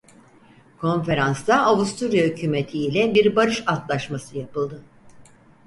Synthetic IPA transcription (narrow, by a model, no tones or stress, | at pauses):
kʰo̞nfe̞ɾansd̪aːvust̪ʰuɾijahycʰyːme̞t̪ʰiːlʲɛbiɾbaɾɯʃat̪lˠaʃmasɯjapɯlˠd̪ɯ